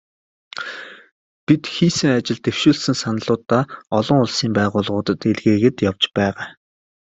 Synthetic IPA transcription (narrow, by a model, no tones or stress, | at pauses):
pit̪xiːsɘ̆ŋat͡ɕɪ̆ɮt̪ew̥ʃuːɮsɘ̆ŋsanəɮʊːt̪ːaːɔɮɞ̆ŋʊɮsiːmpæːʁʊːɮʁʊːt̪ə̆t̪eɮɣeːɣɘ̆t̪jawt͡ɕpæːʁaː